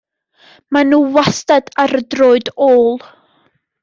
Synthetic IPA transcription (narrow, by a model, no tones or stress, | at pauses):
manuːwastadaɾədroːɨdoːlˠ